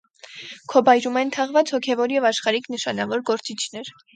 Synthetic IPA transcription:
kʰɔbɑjɾumɛnt̪ʰɑʁvɑt͡shɔkʰɛvɔɾjɛvɑʃχɑɾikʰnəʃɑnɑvɔɾɡɔɾt͡sit͡ʃʰnɛɾ

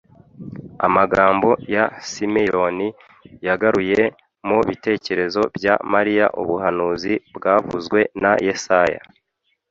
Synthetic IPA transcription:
a̰maɡaːmbo̞jasimejoni | jaɡaɾuje̞ | moβite̞ːce̞ɾe̞zo̞bɟamaɾija̰ʔṵβuhanuːzibɡaːvuzɡwe̞najesaja̰

